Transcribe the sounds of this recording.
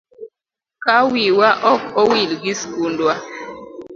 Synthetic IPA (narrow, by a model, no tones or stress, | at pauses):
kawiwaʔɔkɔwilɡiskundwa